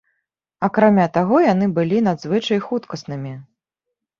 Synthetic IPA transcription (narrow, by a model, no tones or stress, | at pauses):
akɾamʲat̪aɣɔjanɨbɨlʲinad̪zvɨt͡ʂɐjxut̪kɐsnɨmʲi